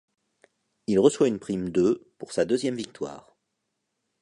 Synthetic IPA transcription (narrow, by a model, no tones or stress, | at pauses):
ilʁəswaynpχimd̪øpuʁsad̪øzjɛmvik̚t̪wa̰ːʁ